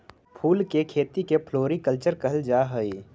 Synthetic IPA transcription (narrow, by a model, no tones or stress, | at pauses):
pʰuːlkekʰeːt̪ikepʰloːɾikəlt͡ʃəɾkəɦld͡ʒaːɦəi